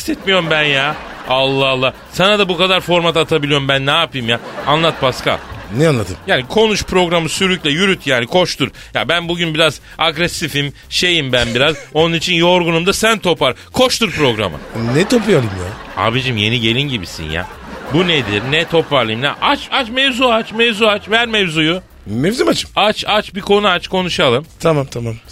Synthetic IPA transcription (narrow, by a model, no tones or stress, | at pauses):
ist̪ɛt̪mijo̞ɾumbænja | alˠːalˠːaː | sanad̪abukad̪aɾfo̞ɾmat̪at̪ʰabilʲijo̞ɾumbænːaːpɯjmjaːanlˠat̪̚baska̰nɛanlˠat̪ʰɯmjaːnikʰo̞nuʃpɾo̞ɡɾamɯsyɾycʲlʲɛjyɾyt̪ʰjaːnikʰo̞ʃt̪ʰuɾ | ja̰bænbuɟynbiɾaz | aɡɾɛsifim | ʃe̞jimbænbiɾazo̞nunit͡ʃʰinjo̞ɾɡunumd̪asænt̪ʰo̞paɾ | kʰo̞ʃt̪uɾpɾo̞ɡɾa̰mɯ̰nɛt̪ʰopjalˠɯmjaa̰bid͡ʒimje̞niɟe̞lʲinɟibisḭnja̰ | buned̪iɾnɛt̪ʰo̞pvaɾlˠɯjmnʲaʔat͡ʃat͡ʃmevzuat͡ʃmevzuat͡ʃvæɾmevzuju | mezimat͡ʃɯ̥mat͡ʃat͡ʃbikʰo̞nuat͡ʃkʰo̞nuʃalˠɯmt̪ʰamamt̪ʰamam